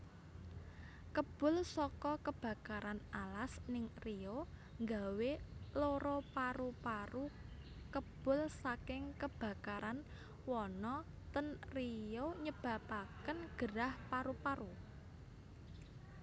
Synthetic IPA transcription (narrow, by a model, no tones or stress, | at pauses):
kəb̥ʊ̤lsɔkɔkəb̥a̤kaɾanalasnɪŋrioŋɡaweloɾopaɾupaɾu | kəb̥ʊ̤lsakɪŋkəb̥ä̤kaɾʔan | wɔnɔ | t̪ənrijoɲəb̥ä̤pakənɡ̥ə̤ɾahpaɾupaɾu